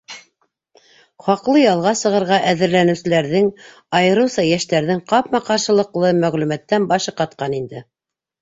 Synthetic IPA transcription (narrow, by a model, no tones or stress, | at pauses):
χɑqlˠɤjɑlˠʁɑsɤ̆ʁɤ̆ɾʁɑʔæðɘ̆ɾlænɘ̆wsɘ̆læɾðɘŋ | ɑjɤ̆ɾɤ̆wsɑjæʃt̪æɾðɘŋqɑpmɑqɑɾʃɤ̆lˠɤ̆qlˠɤmæʁlʉmæt̪ːænbɑʃɤqɑt̪̚qɑnind̪ɘ